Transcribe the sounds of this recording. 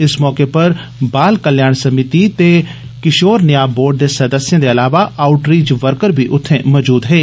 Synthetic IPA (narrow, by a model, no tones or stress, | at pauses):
ɪsmɔːkepɐɾ | baːlkəljaːɳsəmɪt̪it̪eː | kɪʃoːɾnɪjaːboːɾɖ̚d̪eːsɐd̪əsɪjãːd̪eːəlaːʋaʔaːʊʈɾiːd͡ʒʋəɾkəɾbiʔʊt̪ʰːẽmɔːd͡ʒuːd̪ɦeː